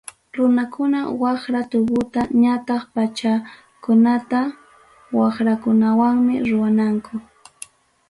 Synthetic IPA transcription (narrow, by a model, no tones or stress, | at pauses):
ɾʊnakʊnawɑχɾat̪ʊbʊt̪aɲat̪ɑχpat͡ʃa | kʊnat̪a | wɑχɾakʊnawaŋmɪ̰ɾʊwanaŋkʰʊ